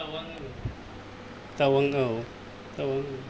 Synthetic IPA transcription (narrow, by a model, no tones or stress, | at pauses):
awaŋ | t̪awaŋa | t̪awaŋ